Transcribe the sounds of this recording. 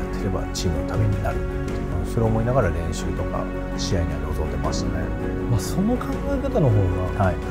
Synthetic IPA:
t̪ːeɾe̞ba̰t͡ɕiːmɯ̟no̞t̪ame̞ɲ̟inaɾɯ̟ | t̪ːeooso̞ɾe̞omo̞inaɡaɾaɾẽ̞ɰ̃ɕɨːt̪o̞ka̰ | ɕijaiɲʲiaɾeozoe̞masɨ̥ne̞̰ | maso̞no̞kãŋɡaekat̪ano̞ɦo̞ːɡahai

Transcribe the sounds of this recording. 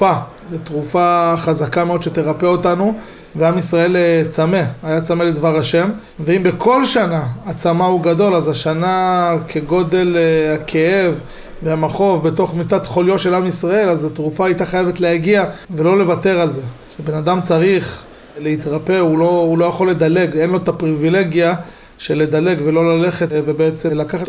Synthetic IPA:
a | betʁufaχazakameo̞d̪ʃe̞t̪e̞ʁape̞o̞tanu | veamisʁae̞lt͡same̞ajat͡sameledvaʁaʃe̞m | veimbe̞kʰo̞lʃanaat͡samauɡado̞lazaʃanakʰe̞ɡo̞de̞lhakʰee̞v | veamaχo̞vbeto̞χmit̪atχo̞ljo̞tʃe̞lamisʁae̞lazat̪ʁufaːit̪aχajevetleaɡiave̞lo̞le̞vate̞ʁalze̞ʃebe̞nad̪amt͡saʁiχ | leit̪ʁape̞ulo̞ulo̞jaχo̞lːe̞d̪ale̞ɡe̞nlo̞t̪apʁivile̞ɡja | ʃele̞d̪ale̞ɡve̞lo̞lale̞χetvebeet͡selakaχat

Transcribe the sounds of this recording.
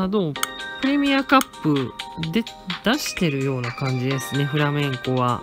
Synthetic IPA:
anoːpɯ̟ɾe̞mʲiakapːɯ̟d̪e̞d̪̥aɕi̥t̪e̞ɾɯ̟jo̞ːnakãɲ̟d͡ʑid̪e̞sɨne̞ɸɯ̟ɾamẽ̞ŋko̞βa

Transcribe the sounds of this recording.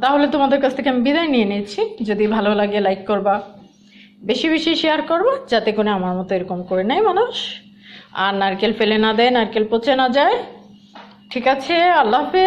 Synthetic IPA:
t̪aɦolet̪omad̪eɾkat͡ɕʰt̪ʰekeamibid̪aenienet͡ɕʰid͡ʑod̪ibʱalolaɡelajkːoɾba | beʃibeʃiʃeaɾkoɾbad͡ʑat̪ekoneamaɾmɔt̪oeɾokomkoɾenajmanuʃ | a̰ɾnaɾkelfelenad̪ɛenaɾkelpot͡ɕenad͡ʑae | ʈʰikat͡ɕʰealːaɦbe

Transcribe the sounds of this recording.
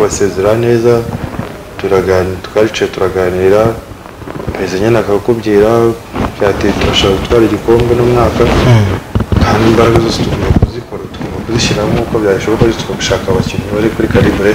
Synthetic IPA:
βase̞ːzeɾane̞ːza | tuɾaɡantu̥kaɾit͡ʃetuɾaɡaniːɾa | pezeɲenakaɡakuβɡiːɾajaːtituɾaʃaːkatwaːɾiɟiko̞ːmbenomŋaːka | kaːndiːmbaɾaɡazosetuɡiɾakuziko̞ɾatu̥ɡoːmbakuziʃiɾamukoβjaːβiʃoβakaitu̥kaɡu̥ʃaːkaβaciniβaɾikuɾikaɾibɾe

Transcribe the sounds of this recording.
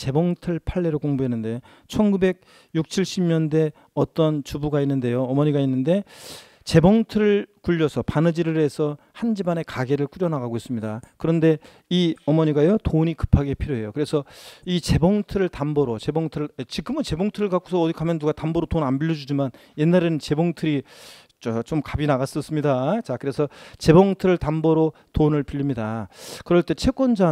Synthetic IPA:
t͡ɕe̞bʌŋtʰɯɭpʰaɭːe̞ɾokoŋbuɦe̞nːɯnde̞ | t͡ɕʰʌnɡube̞ɡ̚ | juk̚t͡ɕʰiɭɕ͈ʰimɲʌnde̞ | ʌt͈ʌnt͡ɕubuɡainːɯnde̞joʌmʌɲiɡainːɯnde̞ | t͡ɕe̞bʌŋtʰɯɾɯɭkuʎːʌsʰʌpanɯd͡ʑiɾɯɾe̞sʰʌ | hand͡ʑibane̞kaɡe̞ɾɯɭk͈uɾjʌnaɣaɡois͈ɯmɲidakɯɾʌnde̞ | iʌmʌɲiɡajotoɲikɯ̥pʰaɡe̞pʰiɾjoɦe̞jokɯɾe̞sʰʌit͡ɕe̞bʌŋtʰɯɾɯɭtambʌɾot͡ɕe̞boŋtʰɯɾɯɭet͡ɕiɡɯmɯnt͡ɕe̞boŋtʰɯɾɯɭkak͈o̥sʰʌːdikʰamjʌnːuɡatambʌɾotonanbiʎːjʌd͡ʑud͡ʑiman | je̞nːaɾenɯnt͡ɕe̞boŋtʰɯɾi | t͡ɕat͡ɕomkabinaɣas͈ʌs͈ɯmɲidat͡ɕakɯɾe̞sʰʌt͡ɕe̞bʌŋtʰɯɾɯɭtambʌɾo | tonɯɭpiʎːimɲidakɯɾʌɭt͈e̞t͡ɕʰe̞k͈wʌnd͡ʑa

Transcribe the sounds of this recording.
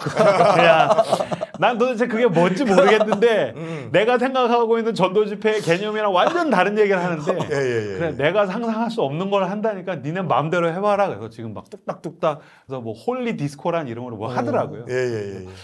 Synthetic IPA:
ja | nantot͡ɕʰekɯɡe̞mʌt͡ɕ͈imoɾɯɡe̞nːɯnde̞ | ne̞ɡasʰeŋɡakʰaɡoinːɯnt͡ɕʌndod͡ʑipʰe̞ke̞ɲʌmiɾawand͡ʑʌntaɾɯnje̞ɡiɾɯɭɦanɯnde̞jɯɯɾene̞ɡasʰaŋsʰaŋɦaɭs̬͈uʌmnɯnɡʌɾɯɭɦandaɲik͈aninɯnmamde̞ɾoɦe̞waɾaɡesʰʌt͡ɕiɡɯmːa̰k̚t͈uk̚t͈ak̚t͈uk̚t͈a | esʰʌmwʌhoʎːidisʰɯ̥kʰoɾaniɾʌŋɡʌɾɭmwʌhadɯɾaɡojojeje

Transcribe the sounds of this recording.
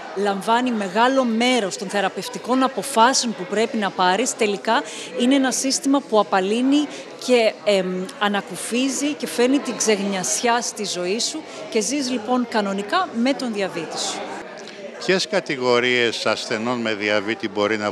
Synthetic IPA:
lɐɱvɐnime̞ɣɐlo̞me̞ɾo̞st̪o̞nθe̞ɾɐpe̞ft̪iko̞nɐpo̞fɐseo̞npupɾe̞pinɐpɐɾist̪e̞likɐ | ineenɐsist̪imɐpuɐpɐlini | ce̞ | ɐnɐkufizice̞fe̞nit̪iɡze̞ɣɲɐsçɐst̪izo̞isu | ce̞ziz̬lipo̞ŋkɐno̞nikɐme̞t̪o̞nðiɐvit̪isu̥ | pçe̞skɐt̪iɣo̞ɾie̞sɐsθe̞no̞nmeðiɐvit̪ibo̞ɾinɐ

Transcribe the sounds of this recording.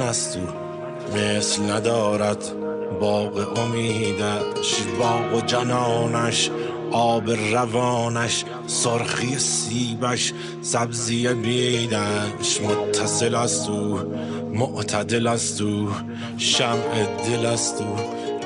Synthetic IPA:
æst̪u | meːslnæd̪ɒːɾæd̪ | bɒːɣeʔomiːd̪æʃbɒːɣod͡ʒænɒːnæʃ | ʔɒːbeɾævɒːnæʃ | soɾxiːesiːbæʃ | sæbzijebeːd̪æʃmot̪ʰːæselæst̪u | moʔt̪ʰæd̪elæst̪u | ʃæmʔed̪elæst̪u

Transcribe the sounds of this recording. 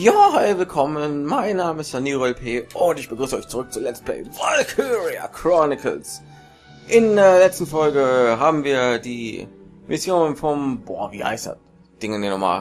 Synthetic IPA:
jaːhaɪvɪlkʰɔmənmaɪnːaːməɪstaniːʁoɛlpʰeːʔʊntɪçb̥əɡʁyːsəʔɔʏçt͡suʁʏk̚t͡suːlɛt͡stplɛ̰ɪvɔlkʰuʁia̰kʁ̥ɔnɪkʰə̰ls | ʔɪndeːɐlɛt͡stn̩fɔlɡəɦaːbm̩viːɐdiː | mʔɪsjoːnfɔmbo̰ːɐvḭːha̰ɪstd̥a̰t | d̥ɪŋəndinɔma̰ː

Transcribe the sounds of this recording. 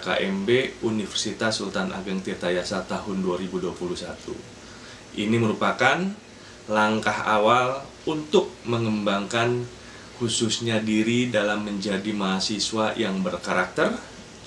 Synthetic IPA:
ka̰ʔɛmbeunifərsit̪asːult̪anʔa̰ɡəŋt̪it̪ajasat̪aɦʊnduaɾibuduapulusat̪ṵ | ʔiniməɾupakan | laŋkaha̰wal | unt̪ʊk̚məŋəmbaŋkan | hususɲadiɾidalamːəɲd͡ʒadimaɦasiswajaŋbərkaɾak̚t̪ər

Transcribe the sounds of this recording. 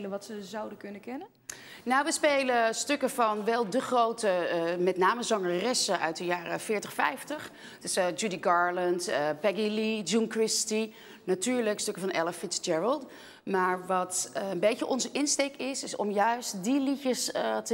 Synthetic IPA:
ləʋɑtsəzɑwdəkɵnəkɛnə | nowʋəspejləstøkəvɑnʋɛlˠdəχrowtəmɛtnaːməzɑŋərɛsəʔœ̰ɥt̚dəjaːrəfɪːɹtəχfɛ̰jftəχ | tɪsd͡ʒudiɡɑːɹləntəpɛɡilid͡ʒunkɹɪsti | natyːɹləkstøkəvɑnʔɛləfɪsd͡ʒɛɹəlˠt | maːɹʋɑtənbejəʔɔnzəʔɪnstejkɪsɪsɔ̰mjœɥstdilicəstə

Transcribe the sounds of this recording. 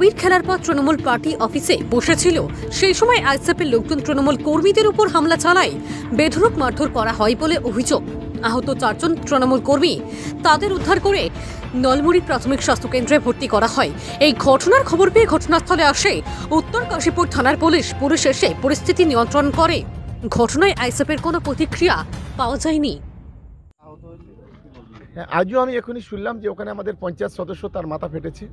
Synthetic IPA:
obiɾkʰelaɾpɔt̪ːɾinomulpaɾʈiʔɔfisḛboʃet͡ɕʰilo | ʃejʃɔmɔeʔajsepelok̚d͡ʑ̪unt̪ɾinomulkoɾmid̪eɾupoɾɦamlat͡ɕalae | bed̪ʱoɾokmaɾd̪ʱoɾkɔɾaɦɔeboleʔobʱid͡ʑoɡ | aɦot̪ot͡ɕaɾd͡ʑont̪ɾinomulkoɾmi | t̪ad̪eɾud̪ʱːaɾkoɾe | nɔlmuɾipɾat̪ʰomikʃast̪ʰokend̪ɾebʱoɾt̪ikɔɾaɦɔe | ejɡʱɔʈʰonaɾkʰɔboɾbieɡʱɔʈʰonast̪ʰoleaʃe | ut̪ːoɾkaʃipuɾ̚t̪ʰanaɾpuliʃpuliʃeʃepoɾist̪ʰit̪iniont̪ɾonkoɾeɡʱɔʈonaeʔajsepeɾkonopɾot̪ikɾijapaoad͡ʑaeni | hɛʔad͡ʑoamiekʰoniʃunlamd͡ʑeokʰaneamad̪eɾpɔnt͡ɕaet̪ʃɔd̪oʃːot̪aɾmat̪ʰapʰeʈet͡ɕʰe

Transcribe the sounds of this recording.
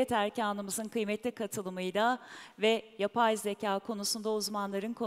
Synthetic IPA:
ɛt̪ʰæɾcʰaːnˠɯmɯzɯnkʰɯjmɛt̪lʲikʰat̪ʰɯlˠɯmɯjd̪avɛjapʰajzecʰaːkʰo̞nusund̪auzmanlˠaɾɯnkʰo̞

